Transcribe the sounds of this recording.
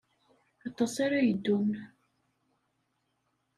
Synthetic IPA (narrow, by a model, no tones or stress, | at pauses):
ɑt̪ˤːɑsaɾajəd̪ːum